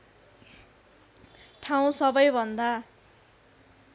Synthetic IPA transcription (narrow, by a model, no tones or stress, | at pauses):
ʈʰaw̃sʌbʌjbʱʌnd̪a